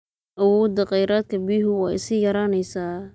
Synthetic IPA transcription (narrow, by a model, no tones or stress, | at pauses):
ʔɐwɔːd̪ɐqɛjɾaːd̪̚kʰɐbiɦʊwɑːɪ̰sɪjɐɾaːnɛjsaː